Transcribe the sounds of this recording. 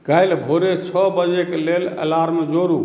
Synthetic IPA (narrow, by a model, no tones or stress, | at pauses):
kəjlbʱoɾet͡ʃʰɔbəd͡ʒekelelə̰laɾmed͡ʒoɾu